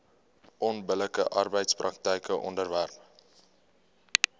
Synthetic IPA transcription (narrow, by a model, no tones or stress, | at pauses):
ʔɔnbələkəʔɐrbəjtsprʔɐk̚təjkəʔɔ̰ndərværp